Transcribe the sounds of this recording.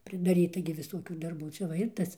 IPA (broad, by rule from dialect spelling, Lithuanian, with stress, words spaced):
pʲrʲɪdɐˈrʲiːtɐ ɡʲɪ ʋʲɪˈsuɔkʲuː dɐrˈbuː ˈt͡ʃʲɛ ʋɐ ˈɪr ˈtɐs